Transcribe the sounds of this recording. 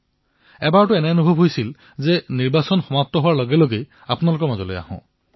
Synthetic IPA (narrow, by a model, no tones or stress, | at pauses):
ɛbaɹtʊɛnɛɔnubʱɔbʱɦojsil | zɛniɹbasɔnxɔmap̚tɔɦowaɹlɔɡɛloɡej | apʊnalʊk̬ɔɹmazɔlo̰ja̰hɔ̰̃